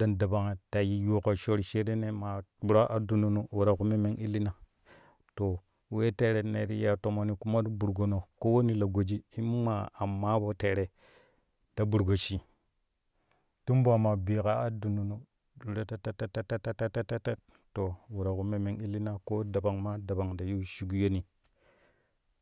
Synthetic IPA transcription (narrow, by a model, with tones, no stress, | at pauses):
da˨nda˨ba˨ŋa˨ta˨ji˦jo˦ko˨ʃo˦ɾʃe˦ɾe˦ne˦ma˨˦bu˦ɾa˦ʔa˦du˨nu˨no˨wu˨ɾa˨ku˦me˦me˦ŋi˦lːi˦na˨ | to˨ | we˦te˦ɾe˨˦ne˨ɾi˦ja˨to˨mo˨ni˨ku˦ma˦du˦bu˨ɾɡo˨no˨ko˦wo˦ni˦la˨ɡo˨d͡ʒi˦i˦ma˨a˨mːa˦bo˦te˨ɾe˨ | d̥a˦bu˨ɾɡo˨ʃi˨ | tu˦mba˨ma˨bi˨ka˦a˦du˨nu˨nu˨ | du˨ɾa˨˦ta˦ta˦ta˦ta˦ta˦ta˦ta˦ta˦ta˦ta˦t | to˨wu˨ɾa˨ku˨me˨me˨˦ŋi˦lːi˦na˦ko˦da˨ba˨ŋma˦da˨ba˨ŋda˨ju˦ʃi˦ɡu˦jo˦ni˨